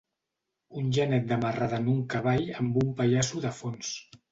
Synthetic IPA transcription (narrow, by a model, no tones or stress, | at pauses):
unʲʒənɛt̪̚d̪əmaraðənuŋkəβ̞aʎəmbumpaʎasuðəfons